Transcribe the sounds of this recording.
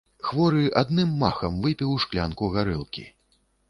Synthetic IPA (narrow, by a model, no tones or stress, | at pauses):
xvɔɾɨʔad̪nɨmːaxɐmvɨpʲiwʂklʲa̰nkuɣaɾɨlˠkʲḭ